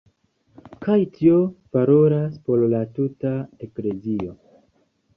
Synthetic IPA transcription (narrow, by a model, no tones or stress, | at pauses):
kajtʰio̞paɾo̞ɾaspo̞ɾlatutae̞kle̞zio̞